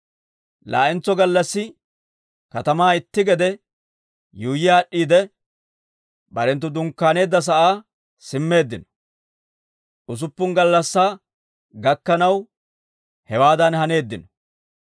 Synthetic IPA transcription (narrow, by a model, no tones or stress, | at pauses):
la̰ːʔɪnt͡sːɔɡɐlːɐsːɪ | kɐt̪ɐmaːɪt̪ːɪɡɛd̪ɛ | juːjɪjaːɗːiːd̪ɛ | bɐɾɛnt̪̬ːʊd̪ʊŋkːaːne̞ːd̪ːɐs̬ɐʔaː | sɪmːe̞ːd̪ːɪnɔ̥ | ʔʊs̬ʊpːʊŋɡɐlːɐsːaː | ɡɐkːɐnɐw | hɛwaːd̪ɐnhɐne̞ːd̪ːɪnɔ̥